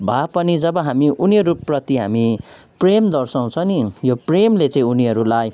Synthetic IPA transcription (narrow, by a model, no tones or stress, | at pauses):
bʱapʌnid͡zʌbʌɦamiʔuniʌɾuprʌt̪iɦa̰mi | premd̪ʌrsaw̃t͡sʰʌnijopremlet͡sãĩuniɦʌɾulaj